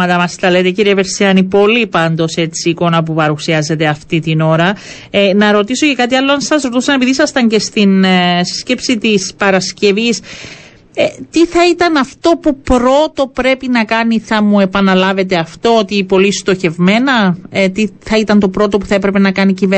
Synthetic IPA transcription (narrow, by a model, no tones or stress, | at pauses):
ɐt̪ɐmɐst̪ɐle̞t̪e̞ciɾieveɾsiɐnipo̞lipɐnd̪o̞se̞t͡siːko̞nɐpupɐɾusiɐze̞t̪e̞ɐft̪it̪ino̞ɾɐ | enɐɾo̞t̪iso̞ce̞kɐt̪iɐlːoɐnssɐsɾot̪usɐne̞piðisɐst̪ɐɲce̞st̪insi̥sce̞psit̪ispɐɾɐsce̞vis | et̪iθɐit̪ɐnɐft̪o̞pupɾo̞t̪o̞pɾe̞pinɐkɐniθɐmue̞pɐnɐlɐve̞t̪e̞ɐft̪o̞ot̪ipo̞list̪o̞çe̞vme̞nɐt̪iθɐit̪ɐnt̪o̞pɾo̞t̪o̞pu̥θɐe̞pɾe̞pe̞nɐkɐnicive